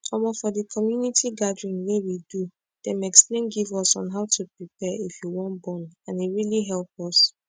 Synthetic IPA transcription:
kɔmɔfɔdəkʰɔmjunitʰiɡadɹĩnwewidu | d̥ɛ̃mɛksplẽnɡivɔsɔ̃nɦaʊtʰupɹipɛifjuwɔ̃nbɔ̃nãneɹiliɦɛlp̚ɔs

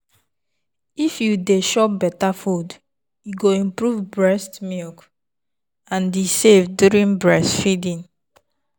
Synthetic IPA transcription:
ifjudeʃɔbɛtafud | juɡoĩmpɹuvbɹɛstmilk | ãndisevdjuɹĩnbɹɛstfidĩn

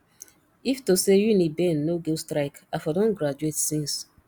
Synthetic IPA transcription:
iftosejunibɛ̃nːoɡestɾaɪkafɔdõnɡɾad͡ʒuetsĩns

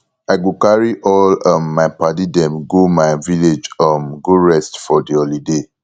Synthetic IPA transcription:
aɪɡokaɹiʔɔlə̃mːajpadidɛ̃mɡomaɪviled͡ʒə̃mɡoɹɛstfɔdiolide

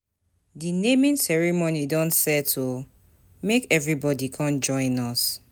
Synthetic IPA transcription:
dinẽmĩnsɛɹimonidɔ̃nsɛtʰo | mekɛvɹibɔdikʰɔ̃nd͡ʒɔ̃ɪ̃nɔs

